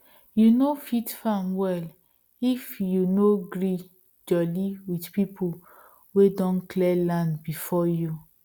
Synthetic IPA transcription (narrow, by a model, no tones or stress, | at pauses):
junofitfãmwɛl | ifjunoɡɾi | d͡ʒɔliwidpipʰo | wedɔ̃nklɛlãndbifɔju